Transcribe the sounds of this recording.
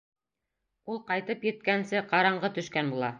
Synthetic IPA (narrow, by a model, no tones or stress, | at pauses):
ulˠqɑjt̪ɤpjɘ̆t̪̚kænsɘqɑɾɑɴɢɤt̪ɵ̆ʃkænbulˠɑ